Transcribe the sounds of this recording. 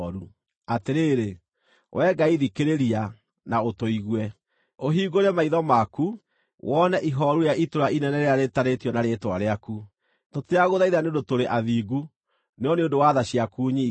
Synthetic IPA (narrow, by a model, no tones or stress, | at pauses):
ɾu | ateɾeːɾe | wʔɛɡaiðikeɾeɾia | naotoiɣwɛ | oɦiːɡoɾɛmaiðɔmaku | wʔɔnɛʔiɦɔɾujaʔitoɾainɛnɛɾeaɾetaɾetijɔnaɾetwaɾeaku | toteaɣoðaiðaneondotoɾeʔaðiːɡu | neɔneondowaðaɕiakuːɲi